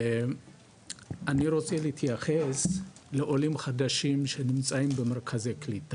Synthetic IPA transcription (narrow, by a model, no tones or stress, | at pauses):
ʔaniɾo̞t͡seleit̪ʰjaχesleʔolimχad̪aʃimʃenimt͡saimbemeʁkʰazejklit̪a